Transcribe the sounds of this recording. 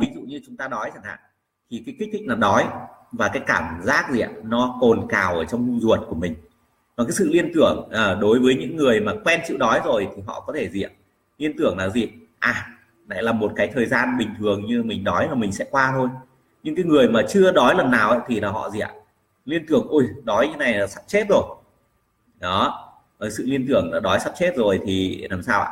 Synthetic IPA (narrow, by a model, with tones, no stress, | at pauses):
vi˨˦zṵ˧˨ɲɨ˧t͡ɕʊ˨˦ŋ͡mt̪aː˧nɔ˨˦jt͡ɕa˧˩ŋha̰ː˧˨ŋ | t̪ʰi˨˩kaː˨˦ki˦˥k̟̪̚ʰːnlaː˨˩ɗɔ˨˦jvaː˨˩kaː˨˦jkaː˧˩mzaː˦˥k̚zḭ˨a˧˨˧nɔ˨˦ko˨˩nkaː˨˩wʔəː˧˩t͡ɕɔ˧wŋ͡mmʊ˧ŋ͡mzu˨˩ət̚ku˧˩əmï˨˩ŋ̟ | na˨˩kaː˨˦sɨ̰˧˨li˧ənt̪ɨ˧˩əŋʔəː˨˩ɗo˨˦jvəː˨˦jɲɨ̰˧˥ŋːɨ˨˩əjmaː˨˩kwɛ˧nt͡ɕḭ˧˨wnɔ˨˦jzo˨˩jt̪ʰi˨˩ɦɔ̰˧˨kɔ˨˦t̪ʰe˧˩zḭ˧˨əm | li˧ənt̪ɨ˧˩əŋlaː˨˩zi˨˩ | ʔaː˨˩ | la̰˧˨jlaː˨˩mo˨˩t̚kaː˨˦jt̪ʰəː˨˩jzaː˧nɓï˨˩ŋ̟t̪ʰɨ˨˩əŋɲɨ˧mï˨˩ŋ̟ɗɔ˨˦jlaː˨˩mï˨˩ŋ̟sɛ̰˧˥kwaː˧t̪ʰo˧j | ɲɨ̰˧˥ŋkaː˨˦jŋɨ˨˩əjmaː˨˩t͡ɕɨ˧əɗɔ˨˦jlə˨˩nːaː˨˩wʔə̰˧˦jt̪ʰi˨˩laː˨˩ɦɔ̰˧˨zḭ˨a̰˨ | li˧ənt̪ɨ˧˩əŋʔu˧˩jɗɔ˨˦jɨ̰˧˥˦na˨˩jlaː˨˩sa˦˥p̚t͡ɕe˦˥t̚zo˨˩j | ɗɔ˨˦˨ | jsɨ̰˧˨li˧ənt̪ɨ˧˩əŋaː˨˩ɗɔ˨˦jsa˦˥p̚t͡ɕe˦˥t̚zo˨˩jt̪ʰi˨˩laː˨˩msaː˧wa̰˧